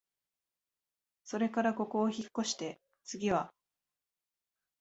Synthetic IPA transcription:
so̞ɾe̞kaɾako̞ko̞ːçikːo̞ɕi̥t̪e̞ | t͡sɨɡʲiβa

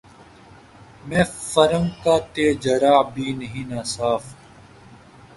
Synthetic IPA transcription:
mẽːfɐɾəmkaːt̪eːd͡ʒɐɾaːbʱiːnɐɦĩːnaːsaːf

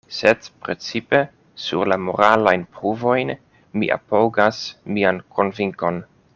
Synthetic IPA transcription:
sedpɾe̞t͡sipe̞ | sṵɾlamo̞̰ɾalajnpɾuvo̞jn | mḭʔa̰powɡasmiankʰo̞nviŋko̞n

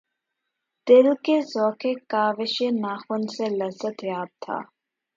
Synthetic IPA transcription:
d̪̥ɪlkezɔːkʰekaːʋɪʃenaːxʊnselɐzət̪jaːb̚t̪ʰa̰ː

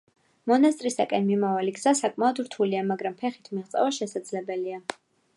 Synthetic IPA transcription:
mɔnas̬t̪ʼɾisakʼɛnmimavaliɡz̥asakʼmaɔd̪ɾt̪ʰuliamaɡɾampʰɛχit̪ʰmiʁt̪sʼɛ̰vaʃɛsad̪zlɛbɛlia

